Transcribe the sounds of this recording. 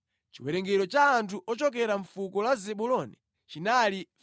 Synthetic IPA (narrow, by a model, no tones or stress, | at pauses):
t͡ʃiwɛɾɛŋɡɛɾɔt͡ʃaːntʰuʔɔt͡ʃɔkɛɾaɱfukɔlazɛɓulɔnḭ | t͡ʃinali